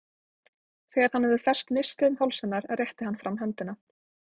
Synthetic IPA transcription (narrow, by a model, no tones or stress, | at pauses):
θɛːɣaɾ̥hanːɛvðʏθɛr̥st̪nɪst̪ɪʏmhawlsɛnːaɾaðrjɛht̪ɪhanːfɾamːɦɛnt̪ɪna